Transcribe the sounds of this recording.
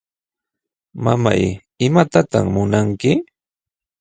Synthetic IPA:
mama̰j | ɪmat̪at̪aχmʊnaŋkɪ

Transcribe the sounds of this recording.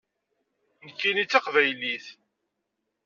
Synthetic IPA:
nkːinit͡sːɑqvæjliθ

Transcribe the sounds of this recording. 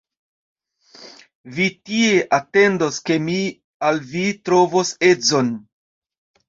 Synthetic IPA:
vitie̞ʔate̞ndoske̞mi | alvitɾo̞vose̞zo̞n

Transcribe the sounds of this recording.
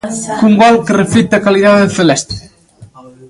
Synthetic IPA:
kuŋɡɔlˠkərəfit̪̚ːakaliðaðəfəlɛst̪ɾe

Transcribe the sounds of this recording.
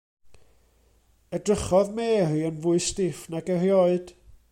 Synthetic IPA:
ədrəχɔðmeːriənvʊɨstɪfnaɡərjɔɨd̥

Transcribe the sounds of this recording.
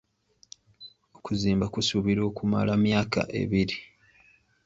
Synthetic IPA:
o̞kuziːmbakusuβiɾo̞ːkuma̰lamjaːka̰ʔe̞̰βiɾi

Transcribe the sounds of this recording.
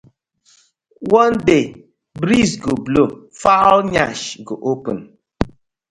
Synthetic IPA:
wɔnde | bɾisɡoblofalɲaʃɡo̰ʔopə̰n

